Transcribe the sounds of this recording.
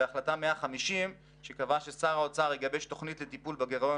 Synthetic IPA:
eaχlatameaχamiʃim | ʃe̞kavaʃesaʁaot͡saʁeɡabeʃt̪o̞χnitlet̪ipulbaɡeʁo

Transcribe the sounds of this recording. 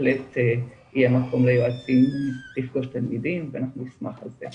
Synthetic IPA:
lete | ijemako̞mlejoat͡simlifɡoʃtalmidimveanaχnunisma̰χalzḛ

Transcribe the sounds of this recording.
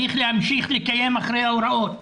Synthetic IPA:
iːxlɪamʃiːxlɪkajeːmʔaxɾɪjawɾˤɑʔoːt̪̚

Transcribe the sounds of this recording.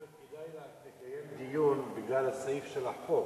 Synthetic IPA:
id̪ajlt̪ekajemd̪ijunbiɡlalasaifʃelaħo

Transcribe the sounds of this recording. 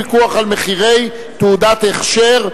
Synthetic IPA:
ikuaχalmeχiʁej | t̪uud̪at̪eχʃeʁ

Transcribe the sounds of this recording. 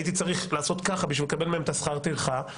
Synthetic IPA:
jit̪it͡saʁiχlaːso̞t̪kaχabiʃvilekabe̞lmeemet̪asχaʁt̪ilχa

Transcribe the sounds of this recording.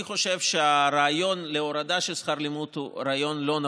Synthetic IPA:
χo̞ʃevʃeaɾaːjo̞nleoɾad̪aʃesχaɾlimut̪uɾaːjo̞nlo̞na

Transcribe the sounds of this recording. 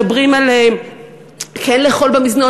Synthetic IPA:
bʁimale | kenleːχo̞lbemizno

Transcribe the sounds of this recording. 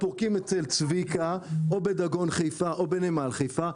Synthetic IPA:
poʁkimet͡selt͡svikaobed̪aɡo̞nχejfaʔobenemalχejfa

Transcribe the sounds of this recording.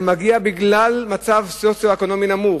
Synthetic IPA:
maɡiabiɡlalmat͡savsosjoeko̞no̞minamu

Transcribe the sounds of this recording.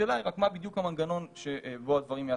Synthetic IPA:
elajʁakmabid̪jukhamanɡano̞nʃeʔboad̪vaʁimja

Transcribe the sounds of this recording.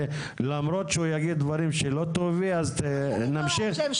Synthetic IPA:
lamɾo̞t̪ʃeujaɡid̪d̪vaɾimʃelo̞t̪oviaztnamʃiχ

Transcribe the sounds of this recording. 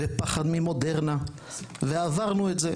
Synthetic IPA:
epaχad̪mimo̞deʁna | veavaʁnuetze

